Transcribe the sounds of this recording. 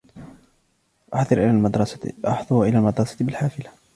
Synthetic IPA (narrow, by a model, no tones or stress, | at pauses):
ʔɑħd̪ˤɑɾʔad̪ɾˤɑsʔɑ̰ħðˤʊɾʔɪlaːlmɑd̪ɾˤɑsḁbɪlħaːfɪla